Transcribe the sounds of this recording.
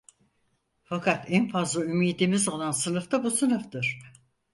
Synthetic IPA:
fakʰat̪ænfazlˠaymiːd̪imizo̞lˠansɯnɯft̪abusɯnɯfd̪ɯɾ̥

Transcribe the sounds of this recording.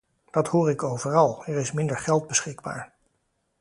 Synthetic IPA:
d̥ɑthoːɹɪkowvərɑlˠɛɹɪsmɪndəɹχɛlˠd̚bəsχɪɡba̰ːɹ

